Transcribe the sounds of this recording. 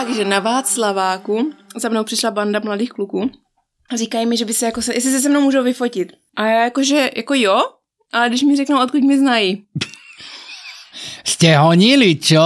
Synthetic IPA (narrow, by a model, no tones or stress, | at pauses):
aɡʒɛnavaːsslavaːkuzamnowpr̥ɪʃlabandamladiːxklukuː | ariːkajimɪʒɛbɪsɛjakosɛʔɛs̬ɪs̬ɛs̬ɛmnowmuːʒowvɪfo̞cɪt̪ | ʔajaːjakoʒɛjʔakojo | ʔalɛɡdɪʃmɪrɛknuʔot̪̚kucmɪznaji | scɛɦoɲilit͡ʃo